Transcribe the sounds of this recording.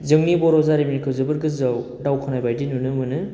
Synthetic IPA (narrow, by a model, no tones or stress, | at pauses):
zɯŋnibɔɾɔzaɾiminikʰɯwzɯbɯɾɡɯzaw | dawkʰɔnajbajdinunɯmɯnɯ